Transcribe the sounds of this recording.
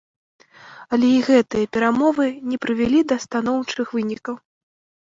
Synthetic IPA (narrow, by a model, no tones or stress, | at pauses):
ɐlʲɛiɣɛt̪ɨjɐpʲɛɾamɔvɨnʲɛpɾɨvʲɛlʲid̪ɐst̪an̪ɔwt͡ʂɨxvɨnʲikɐw